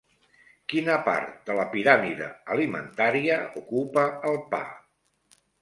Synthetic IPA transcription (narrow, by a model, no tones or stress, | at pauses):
kinəpa̰ɾt̪̚d̪ələpiɾamiðə̰əlimə̰nt̪aɾiəukupəːlˠpa̰